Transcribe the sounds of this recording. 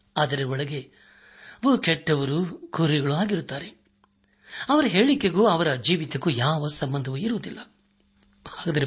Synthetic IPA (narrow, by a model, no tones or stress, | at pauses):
ɐːd̪ɐɾeɔɭɐɡe̞ | ʋokɛʈːɐʋɐɾukʰuɾiɡɐɭuaːɡiɾut̪ːaːɾe | ɐʋɐɾɐɦeːɭikːeɡuːɐʋɐɾɐd͡ʒiːʋit̪ɐkujaːʋɐsɐmbɐnd̪ʱɐʋuiɾuʋɐd̪ilːɐ | aːɡɐd̪ɐɾe